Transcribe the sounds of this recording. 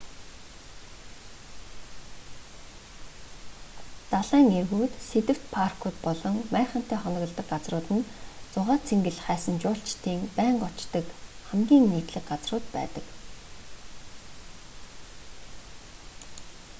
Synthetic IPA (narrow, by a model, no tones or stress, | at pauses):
t͡saɮæːŋerɣuːt̪set̪ɘ̆w̥t̪pʰarkʰuːt̪pɔɮɞ̆ŋmæːχə̆n̥t̪æːχɔnɞ̆ɣɞ̆ɮt̪ə̆kɢat͡srʊːt̪ɘ̆nt͡sʊʁaːt͡sʰeŋɡɘ̆ɮχæːsə̆nt͡ɕʊːɬt͡ɕt̪ʰiːŋpæːɴɢɔt͡ɕt̪ə̆kχæmɡʲiːŋniːt̪ɮɘ̆kɢat͡srʊːt̪pæ̰ːt̪ə̆k